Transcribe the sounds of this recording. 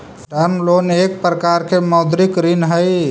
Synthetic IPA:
ɖəɾnlonek̚pɾəkaɾkʰeməwd̪ɾikɾinɦəj

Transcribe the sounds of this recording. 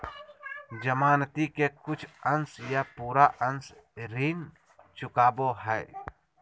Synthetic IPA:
d͡ʒəmaːnt̪ikekʊt͡ʃʰənsjapuːɾaʔəns | ɾiːŋ | t͡ʃʊkaːboɦɛ

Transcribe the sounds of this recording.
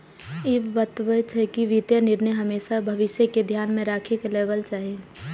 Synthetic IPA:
ɪbʋət̪ʋət͡ʃʰɛkiʋɪt̪jənɪɾnəjɦɐmeːʃabʱɐʋɪʃjəked̪ʱjaːnmẽɾaːkʰekleːʋəlt͡ʃaːɦie

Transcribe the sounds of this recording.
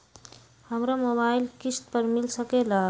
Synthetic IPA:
həmɾamoβailkisʈ̪̚pəɾmilsəkela

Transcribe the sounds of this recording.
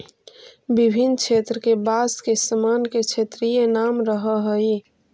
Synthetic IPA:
bibʱint͡ʃʰeːt̪ɾəkebaskesəmanket͡ʃʰet̪ɾijenamɾəɦəɦəi

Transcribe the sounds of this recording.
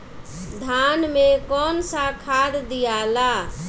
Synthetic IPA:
d̪ʱanmekɔnsakʰad̪d̪ijala

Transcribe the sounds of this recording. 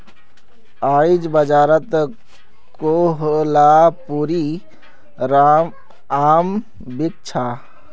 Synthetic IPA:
aːid͡ʒbəd͡ʒaːɾət̪ | koɦlapuːɾi | ɾa | aːm | bit̪t͡ʃʰa

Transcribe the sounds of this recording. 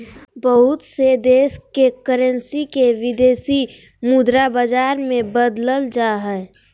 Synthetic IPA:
bəɦʊt̪sed̪eːskekəɾə̃nsikeʋɪd̪eːsi | mud̪ɾabəd͡ʒaːɾmẽbəd̪ləld͡ʒaɦɛ

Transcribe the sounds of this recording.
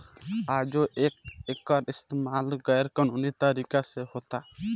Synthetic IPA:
ad͡ʒɔʔek̚ɛkaɾist̪emalɡajɾkɔnʊnit̪aɾikasɛhɔt̪a

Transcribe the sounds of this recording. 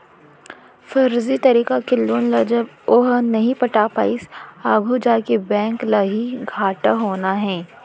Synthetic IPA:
fɐɾzit̪ɐɾiːkakɪlːoːnlɐd͡ʒəb | oːɦənɐɦĩpɐʈapaːɪsaːɡʱud͡ʒaːkebɛ̃ːŋklaɦiɡʱaːʈaɦoːnaɦɛ̃ː

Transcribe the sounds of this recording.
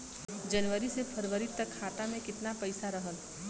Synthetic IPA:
d͡ʒɐnʋəɾisepʰɐɾʋəɾit̪ːəkʰːaːt̪amẽkɪt̪napɐɪsaɾɐɦəl

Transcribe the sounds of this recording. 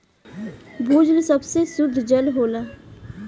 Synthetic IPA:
buːd͡ʒlsəbsesʊd̪ʱd͡ʒəlɦoːlaː

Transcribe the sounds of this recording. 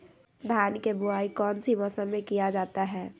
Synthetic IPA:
d̪ʱaːnkebʊaːikɔːnsimɔsənmẽkijad͡ʒaːt̪aɦɛː

